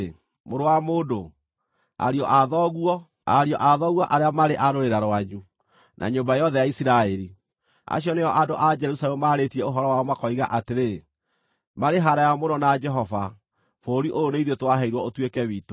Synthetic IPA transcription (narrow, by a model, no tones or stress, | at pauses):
moɾowamoːdo | a̰ɾiɔʔaðɔɣuwɔ | a̰ɾiɔʔaðɔɣwɔʔaɾeamaɾeʔaɾoɾeɾaɾwaɲu | nʔa̰ɲoːmbaejɔðɛjaisiɾaɛɾi | a̰ɕiɔneɔʔadoʔad͡ʒɛɾusalɛmmaɾetiɛoɦɔɾɔwaɔmakɔiɣa̰ʔateɾe | maɾeɦaɾajamonɔnad͡ʒɛɦɔva | foːɾiʔoɾoneiðetowaɦɛiɾwɔotwekɛwito